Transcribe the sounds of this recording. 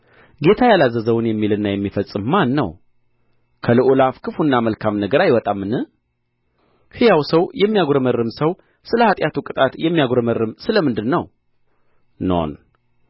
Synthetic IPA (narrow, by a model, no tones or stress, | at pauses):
ɡe̞t̪ʰajalazəzəwɨnjɛmːilɨnːajɛmːifəsʼɨmːanːə̰w | kʰəlɨʔulafkʰɨfunːaməlkʰamnəɡəɾajwɔt̪ʼamːɨnɨ | hɨjawsəwjɛmːijaɡɾəməɾɨmsəw | sɨləhat̪ʼjat̪ʰukʼɨt̪ʼat̪jɛmːijaɡɾəməɾːɨmsɨləmɨnd̪ɨnːəw | no̰n